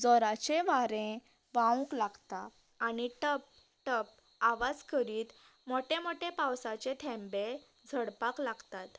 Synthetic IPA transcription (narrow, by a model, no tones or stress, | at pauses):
d͡zɔɾat͡ɕeʋaɾẽ | ʋaũklaɡt̪a | añiʈəp̚ | ʈəp̚ | aʋad͡zkəɾiːt̪ | moʈemoʈepawsat͡ɕet̪ʰɛ̃mbe | d͡zʱəɽpaklaɡt̪at̪